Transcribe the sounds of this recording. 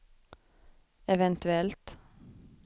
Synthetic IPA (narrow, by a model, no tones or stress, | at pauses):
ɛʋɛnt̪ʉɛlt̪